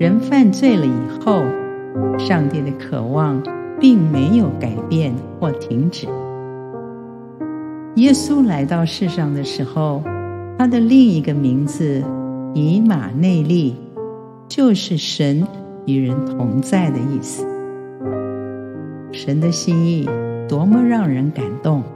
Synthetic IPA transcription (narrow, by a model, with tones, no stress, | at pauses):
ɻə˧˥nfa˥˧nt͡swe˥˩ɪlə˨i˨˩xo˥˩ʊ | ʂɑ˥˧ŋt̪i˥˩d̪ə˩kʰɤ̰˨˩wɑ˥˧ŋ | pi˥˩ŋme˧˥ɪjo˧˥ʊka˨˩ɪpjɛ˥˧nxwɔ˥˩t̪ʰi˧˥ŋʈ͡ʂɻ̩˨˩˦ | jɛ˥su˥la˧˥ɪt̪ɑ˥˧ʊʂɻ̩˥˧ʂɑ˥˩ŋd̪ə˩ʂɻ̩˧˥xo˧ʊt̪ʰa˥d̪ə˨li˥˩ŋi˧˥ɡə˧mi˧˥ŋd͡zɹ̩˧ni˧˥ma̰˨˩ne˥˧ɪli˥˩ | t͡ɕjo˥˧ʊʂɻ̩˥˩ʂə˧˥n | y˨˩ɻə˧˥nt̪ʰʊ˧˥ŋt͡sa˥˩ɪd̪ə˩i˥˩sɹ̩˩˦ | ʂə˧˥nd̪ə˧ɕi˥ni˥˩t̪wɔ˧˥mə˧ɻɑ˥˩ŋɻə˧˥nka˨˩nt̪ʊ˥˩ŋ